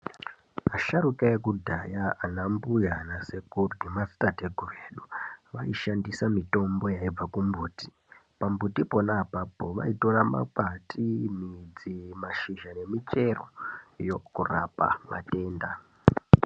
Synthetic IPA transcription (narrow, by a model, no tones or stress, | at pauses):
aʃaɾukajekudʱajaːnambujanase̞kurɡimasi̥tateɡʱureːɗuʋaiʃandisamito̞mbo̞jaib͡vakumbuːti̥ | pambutipo̞napapoʋa̰ito̞rama̰patʰimid͡zimaʃiʒane̞mit͡ʃe̞ro̰jokura̰pa̰ma̰te̞ːnda